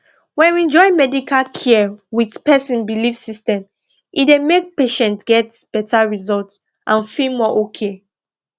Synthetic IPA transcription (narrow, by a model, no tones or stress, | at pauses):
wɛ̃nɛ̃nd͡ʒɔɪmɛdikʰalkʰɛwidpɛsĩnbilifsistɛ̃m | ʔidemek̚peʃɛ̃ntɡ̥ɛtb̥ɛtʰaɹizɔlt | ʔãnfilmɔʔokʰe